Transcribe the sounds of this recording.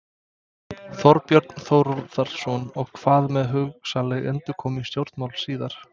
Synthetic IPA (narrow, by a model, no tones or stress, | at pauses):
θɔɾpjœɾt̪nθowɾɔɾðaɾ̥sɔnɔɣkʰvaːðmɛðɦʏɣsaleɣɛnt̪ʏkʰɔːmist̪jowɾ̥t̪mawlsiːðaɾ̥